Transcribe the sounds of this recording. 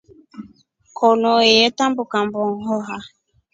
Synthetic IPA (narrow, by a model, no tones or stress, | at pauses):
kʰɔnɔjɛtambukambɔŋhɔɦa